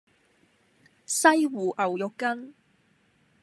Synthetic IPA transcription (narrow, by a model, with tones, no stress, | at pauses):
sɐ˥jwuː˨˩ʔɐ˨˩wjɔ˨kːɐ˥n